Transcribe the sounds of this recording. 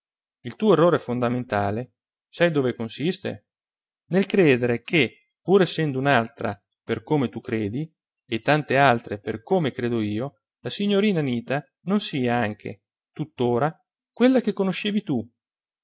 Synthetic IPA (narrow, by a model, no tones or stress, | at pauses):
ilt̪uːoerːoːɾɛfond̪ament̪aːle | sajd̪oːvekonsist̪ḛ | nelkɾɛːd̪eɾek̟ʰe | pːuːɾɛsːɛnd̪ounalt̪ɾa̰ | perkoːmet̪ukːɾeːd̪i | et̪ːant̪ealt̪ɾeperkoːmekɾeːd̪oiːo | lasiɲːoɾiːnaniːt̪a | nonsiːaaŋk̟ʰḛ | t̪ut̪ːoːɾa | kwelːak̟ekːonoʃeːvit̪u